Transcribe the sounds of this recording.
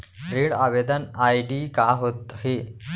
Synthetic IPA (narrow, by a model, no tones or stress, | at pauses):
ɾeɽaʋed̪ənajɖikaɦot̪he